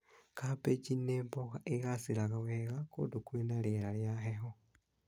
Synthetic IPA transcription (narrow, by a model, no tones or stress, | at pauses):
kapeɟineːmpokaʔeɣasilaɣaweɣako̰dukulenaljelaljaxexo